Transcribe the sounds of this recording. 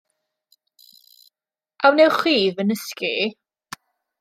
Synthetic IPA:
ʔawnɛχwiːvənəski

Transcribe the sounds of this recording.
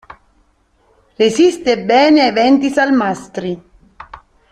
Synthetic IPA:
resist̪ebːɛːneevɛnt̪isalmast̪ɾi

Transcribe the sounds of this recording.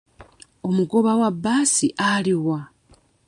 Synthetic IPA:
o̞muɡo̞βawabːaːsiʔaliwa

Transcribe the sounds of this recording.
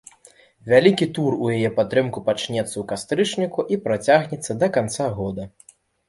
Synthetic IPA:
vʲalʲikʲit̪urujajɛpat̪ːɾɨmkupat͡ʂnʲɛt̪sːɐukast̪ɾɨt͡ʂnʲikuʔipɾat͡sʲaɣnʲɛt̪sːɐd̪ɐkant̪saɣɔd̪ɐ

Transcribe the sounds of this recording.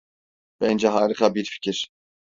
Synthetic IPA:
vɛnd͡ʒɛɦaːɾixabiɾfi̥cʰiɾ̥

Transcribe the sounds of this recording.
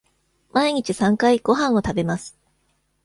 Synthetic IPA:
maiɲ̟it͡ɕisãŋkaiɡ̥o̞ɦãɰ̃o̞t̪abe̞masɨ̥

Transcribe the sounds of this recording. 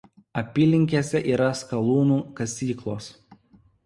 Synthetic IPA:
ɐpʲiːlʲɪŋʲkʲeːsʲɛʔiːɾɐskɐlˠuːnuːkɐsʲiːklˠoːs

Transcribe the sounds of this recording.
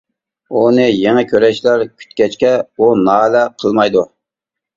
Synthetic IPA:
unɨjeŋɛkʲʰøɾɛʃlæɾkʲʰy̥t̪kʲɛt͡ʃkʲɛunɑːlɛqʰəlˠmɑjd̪u

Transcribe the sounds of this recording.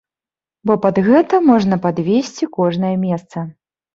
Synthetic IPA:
bɔpɐd̪ɣɛt̪ɐmɔʐn̪ɐpad̪vʲesʲt͡sʲikɔʐnɐjɐmʲɛst̪sɐ

